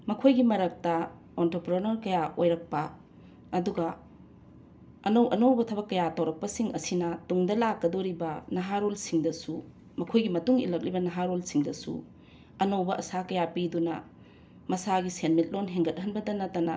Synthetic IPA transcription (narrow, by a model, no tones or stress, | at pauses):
mɐkʰojɡimɐɾɐk̚tɐ | ontopɾonɐɾkɐjaʔojɾɐk̚pɐ | ɐduɡɐ | ɐnowʔɐnowbɐtʰɐbɐkːɐjatɐwɾɐk̚pɐsiŋʔɐsinɐtuŋdɐlakːɐdoɾibɐnɐɦaɾolsiŋdɐsu | mɐkʰojɡimɐtuŋḭlɐk̚libɐnɐɦaɾolsiŋdɐsṵ | ɐnowbɐʔɐsakɐjapidunɐ̰ | mɐsaɡisenmit̚lonɦeŋɡɐt̚hɦɐnbɐdɐnɐtːɐnɐ